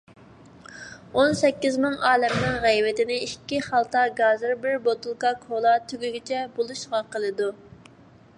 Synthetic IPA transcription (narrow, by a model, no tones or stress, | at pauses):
onsɛkʲːizmɪŋɑːlɛmnɪŋʁæjvɪt̪ɪnɪikʲːiχɑlˠt̪ɑɡɑzɨɾbɪɾbot̪ulˠkɑkʰolˠɑt̪ʰyɡʲyɡʲit͡ʃʰɛbolˠuʃʁɑqəlˠɨd̪u